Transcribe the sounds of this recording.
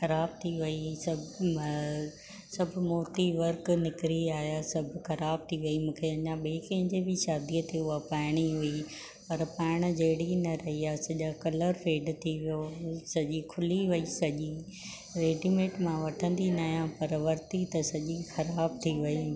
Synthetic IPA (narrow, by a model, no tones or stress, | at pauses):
xɐɾaːb̚t̪ʰiʋɐisɐbʱ | sɐbʱʊmoːt̪iʋɐɾknɪkɾiaːɦjasɐbʱxɐɾaːb̚t̪ʰiʋɐimũːkʰeɐɲãɓeːkɐ̃ɦɪ̃ɲd͡ʑebɪʃaːd̪ijət̪eʊɦapaːɪɽ̃iɦʊi | pɐɾpaːɪɽ̃ʊ̆d͡ʑɐːɽinɐɾɐɦiaːsɐʄakɐləɾfeːɖt̪ʰiʋjosɐʄikʰʊliʋɐisɐʄi | ɾeːɖimẽːʈmãʋɐʈʰə̃nd̪inaːɦjãpɐɾʋɐɾt̪it̪ɐsɐʄixɐɾaːb̚t̪ʰiʋɐi